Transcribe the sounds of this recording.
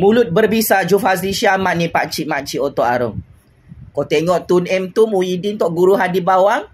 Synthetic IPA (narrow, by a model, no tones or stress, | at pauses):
mulʊt̪̚bərbisad͡ʒufas̬iʃiamanipat͡ʃiʔmat͡ʃiot̪ɔʔa̰ɾʊŋ | kɔt̪eŋɔʔt̪unɛmt̪umuidint̪ɔʔɡuɾuɦadibawaŋ